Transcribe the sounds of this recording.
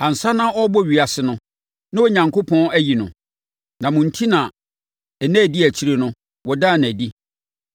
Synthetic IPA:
ã˨n̩˨sa˦nã˦ɔ˦bɔ˦˨ɥi˨a˨sɪ˨nʊ̃˦ | nã˦wɔ˦ɲã˨ŋkʰo˦pʰɔ̃˦æ˦ji˨nʊ̰̃˨ | nã˨mʊ̃˨n̩˨˦tʰi˦nã˨ | ɛ˨næ̃˦˨di˦æ˨t͡ɕʰi˨˦ɾe˦nʊ̃˦ | wɔ˨da˦˨nã˨di˦

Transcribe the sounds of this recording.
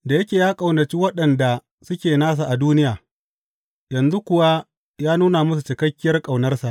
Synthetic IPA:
da˨jɐ˦kʲeː˨jaː˦kʼa˨wnɐ˨t͡ʃi˦wɐ˦ɗɐ˨nda˨ | sʊ˦kʲeː˨naː˦s̬a˨ʔa˨duː˦nɪ˦jaː˨ | jɐ˨nzu˦kʷʊ˨wa˦ | jaː˦nuː˦na˨mʊ˦s̬u˨t͡ʃɪ˨kɐ˦kʲːɪ˦jɐ˦rkʼa˨wnɐ˦rsa˨ʔ

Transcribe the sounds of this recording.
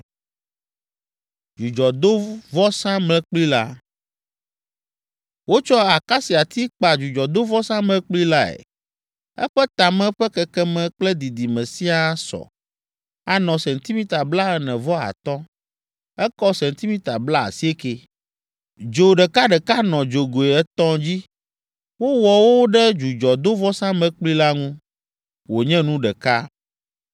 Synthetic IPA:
d͡ʒu˨d͡ʒɔ˨d̪o˦vɔ˦sã˦mlɛ̃˦k͡pli˦la˦ | wo˦t͡ʃɔ˦a˨ka˦si˨a˨t̪i˦k͡pa˨d͡ʒu˨d͡ʒɔ˨d̪o˦vɔ˦sã˦mlɛ̃˦k͡pli˦la˦ɛ̰˨ | ɛ̰˦ɸɛ˦t̪a˨mɛ̃˦ɸɛ˦kɛ˨kɛ˦mɛ̃˨k͡plɛ˦d̪i˨d̪i˨mɛ̃˨si˦a˦sɔ̰˨ | a˨nɔ̃˨sɛ̃˨nt̪i˦mĩ˦t̪a˨bla˦ɛ˨nɛ̃˨vɔ˦a̰˨t̪ɔ̃˦ | ɛ˦kɔ˦sɛ̃˨n˨t̪i˦mĩ˦t̪a˨bla˦a̰˨si˦e˦ke˨ | d͡ʒo˨ɖɛ˨ka˦ɖɛ˨ka˦nɔ̃˨d͡ʒo˨ɡo˨e˨ɛ˦t̪ɔ̃˦d͡ʑi˦ | wo˦wɔ˨wo˦ɖɛ˦d͡ʒu˨d͡ʒɔ˨d̪o˦vɔ˦sã˦mɛ̃˦k͡pli˦la˦ŋũ˦ | wo˨ɲɛ̃˦nũ˦ɖɛ˨ka˦

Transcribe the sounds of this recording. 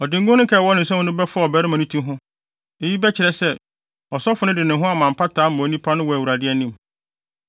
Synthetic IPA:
ɔ˨dɪ̃˨ŋ˦ɡʊ̃˦nʊ̃˦kʰɛː˨wɔ˦nɪ̃˨sɛ̃˦ʊ̃˦nʊ̃˦bɛ˦fʊ˦a˦˨ɔ˨bɛ˦ɾɪ˦mã˨nĩ˦tʰũ˦ɦʊ̃˦ | e˦ji˦bɛ˦t͡ɕʰɪ˨ɾɛ˨sɛ˦ | ɔ˨sɔ˦fʊ˨nʊ̃˦dɪ˨nɪ̃˨ɦʊ̃˦a˨mã˨m̩˨pʰa˦tʰaː˨˦mɔ̃˨˦nĩ˦pʰa˦nʊ̃˦wɔ˨æ˨wu˨ɾa˨dɪ˦ɛ˦nĩ˦˨m

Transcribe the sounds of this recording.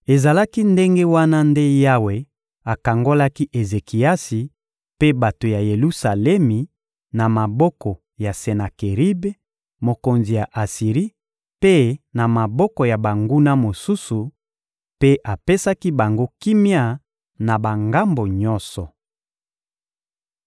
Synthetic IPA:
e˨za˨la˦ki˦nde˦ŋɡe˦wa˦na˦nde˦ja˦we˨ | a˨ka˨ŋɡo˦la˦ki˦ʔe˨ze˨ki˨a˦si˨ | pe˦ba˨to˨ja˨je˨lu˦sa˨lɛ˦mi˨ | na˨ma˨bɔ˦kɔ˨ | ja˨se˨na˨ke˨ʁi˦be˦ | mo˨ko˨nzi˨ja˨ʔa˨si˨ʁi˦ | pe˦na˨ma˨bɔ˦kɔ˨ja˨ba˨ŋɡu˦na˦mo˨su˦su˨ | pe˦ʔa˨pe˦sa˦ki˦ba˨ŋɡo˦ki˦mja˦˨ | na˨ba˨ŋɡa˦mbo˨ɲɔ˦sɔ˨

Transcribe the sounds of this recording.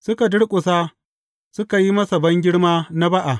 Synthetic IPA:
sʊ˦ka˨dʊ˦ɽkʷʼʊ˨saː˦ | sʊ˦ka˨ji˦mɐ˦sɐ˨bɐ˦ŋɡʲɪ˦ɽmaː˦na˦ba˦ʔa˨

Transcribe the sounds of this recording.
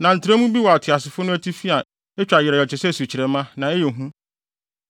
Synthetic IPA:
nã˨n̩˨tʰɪ˨ɾe˦mũ˦bi˦wɔ˨a˨tʰɪ˨a˨s̬ɪ˨fʊ˦nʊ̃˦æ˦tʰi˦fi˦a˨ | e˦t͡ɕᶣa˨jɪ˨ɾɛ˨ɔ˨t͡ɕʰɪ˨sɛ˦˨su˨t͡ɕʰi˨ɾɛ˨mã˦nã˨e˦jɛ˨ɦũ˦

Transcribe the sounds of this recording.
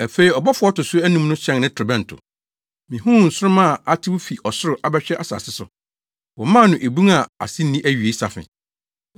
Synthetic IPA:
æ˨fe˨i˨ɔ˨bɔ˦fʊ˦ɔ˦tʊ˨sʊ˦æ˦nũ˦mnʊ̃˦ɕʰɛ̃˦nnɪ̃˦tʰʊ˨bɛ̃˦n̩˨tʰʊ̰˨ | mĩ˨ɦũ˦˨n̩˨sʊ˦ɾʊ˦mã˦˨a˦tʰɪ˦wʊ˦fi˨ʔɔ˨sʊ˦ɾʊ˨ʔa˨bɛ˦ɕᶣɛ˦ʔa˨sa̰ː˨sɪ˦sʊ̰˨ | wɔ̃˨mã˦˨nʊ̃˨ʔe˨bũ˦a˨a̰˨sɪ̃˦n̩˦nĩ˦ʔæ˦ɥɥe˨˦i˦sa̰˨fɪ̰̃˨

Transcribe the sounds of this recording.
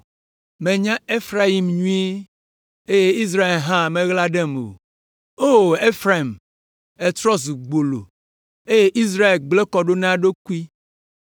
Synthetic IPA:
mẽ˨ɲã˦e˦fɾa˦i˨mɲũ˦e˦ | e˦je˦i˦z̬ɾa˦e˨lɦã˦˨mẽ˦ɣla˦ɖɛ˦m˨o̰˨ | o˦˨e˦fɾa˨i˨m | e˦t̪ɾɔ˦zu˨ɡ͡bo˨lo̰˨ | e˦je˦ʔi˦s̬ɾa˦e˨lɡ͡ble˦kɔ˨ɖo˦nã˦ɖo˦ku˦i˦

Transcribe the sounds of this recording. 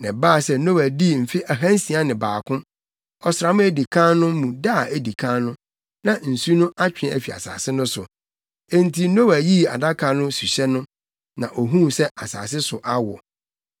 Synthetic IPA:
nɛ̃˨baː˦˨sɛ˦nõ˦wæ˨di˦m̩˨fi˦ʔæ˨ɦã˦n˦sĩ˨a˦nɪ̃˨baː˨kʰʊ̃˦ | ɔ˨sɾa˨mʊ̃˦æ˦di˨kʰã˦nʊ̃˦mũ˨da˦˨e˦di˨kʰã˦nʊ̃˦ | nã˨n̩˨su˦nʊ̃˦ʔa˦t͡ɕᶣɪ˨ɛ̃˨æ̰˨fi˨a̰˨sa̰ː˨sɪ˦nʊ̃˦sʊ̰˨ | e˦n˦tʰi˨nõ˦wæ˨ji˦a̰˨da˦kʰa˨nʊ̃˦su˨ɕɛ˦nʊ̃˦ | nã̰˨ʔo˨ɦũ˦sɛ˦ʔa˨sa̰ː˨s̬ɪ˦sʊ˨ʔa˦wɔ˨

